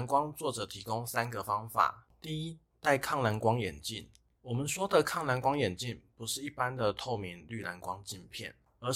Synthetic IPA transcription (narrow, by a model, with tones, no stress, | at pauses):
nkwɑ˥ŋt͡swɔ˥˩ʈ͡ʂɤ˨˩t̪ʰi˧˥ko˥ŋsa˥nɡə˨fɑ˥ŋfa̰˨˩t̪i˥˩i˦ | t̪a˥˧ɪkʰɑ˥˩ŋla˧˥nkwɑ˥ŋjɛ˨˩nt͡ɕi˥˨n | wɔ˨˩mə˨nʂwɔ˥d̪ə˨kʰɑ˥˩ŋla˧˥nkwɑ˥ŋjɛ˨˩nt͡ɕi˥˨npu˧˦ʂɻ̩˥˧i˥˩pa˦nd̪ə˨t̪ʰo˥˩ʊmi˧˦ŋly˥˩la˧˦nkwɑ˦ŋt͡ɕi˥˧npʰjɛ̰˥˩n | ə˧˥